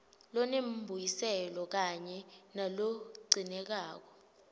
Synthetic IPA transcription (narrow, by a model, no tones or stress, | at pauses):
lɔnembʱujisɛlɔk̬aɲɛnaloǀinɛk̬aːk̬ɔ